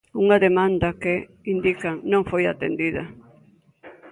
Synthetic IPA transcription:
uŋaðemãnd̪ɐke | ind̪ikaŋnõŋfojat̪ḛnd̪iðɐ

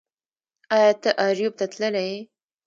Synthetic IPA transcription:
ɑjɑt̪əʔɑɾjub̚t̪at̪ləlaje

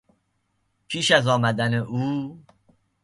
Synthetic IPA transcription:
pʰiːʃæzɒːmæd̪æneʔuː

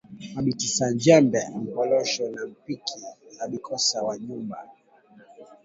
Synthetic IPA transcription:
aɓitisaɲd͡ʒɛmbɛamikɔlɔʃɔnam̩pikiaɓikʰɔsawaɲumba̰

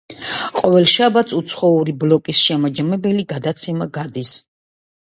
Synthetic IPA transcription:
qʼɔvɛlˠʃabat̪sʰut̪sʰχɔuɾiblɔkʼisʃɛmad͡ʒamɛbɛliɡad̪at̪sʰɛmaɡad̪is

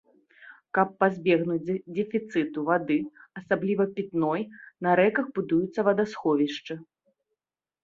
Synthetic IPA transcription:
kɐpːazʲbʲɛɣnud͡zʲd̪ʲɛfʲit̪sɨt̪uvad̪ɨɐsablʲivɐpʲit̪nɔjnɐɾɛkɐxbud̪ujut̪sːɐvɐd̪asxɔvʲiʂt͡ʂɨ

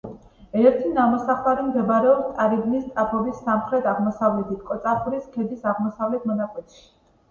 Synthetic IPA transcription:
ɛɾt̪ʰinamɔsaχlˠaɾimɡ̪ɛbaɾɛɔbt̪ʼaɾibnist̪ʼapʰɔbisːamχɾɛt̪ʰaʁmɔsavlɛt̪ʰit̪̚ʰkʼɔt̪sʼapʰuɾiskʰɛd̪isaʁmɔsavlɛt̪ʰmɔnakʼwɛt̪ʰʃi̥

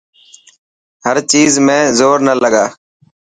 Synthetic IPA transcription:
həɾt͡ʃiːzmẽːzoːɾnələɡaː

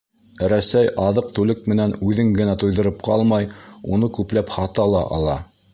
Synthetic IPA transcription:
ɾæsæjʔɑðɤq̚t̪ʉlɘk̚mɘ̆nænʉðɘŋɡɘ̆næt̪ujðɤ̆ɾɤp̚qɑlˠmɑjunɤkʉplæphɑt̪ɑlˠɑ̰ʔɑ̰lˠɑ

